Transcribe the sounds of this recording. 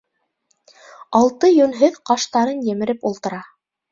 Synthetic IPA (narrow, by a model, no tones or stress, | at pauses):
ɑlˠt̪ɤjɵ̆nɦɘðqɑʃt̪ɑɾɤnjɘ̆mɘ̆ɾɘpulˠt̪ɤ̆ɾɑ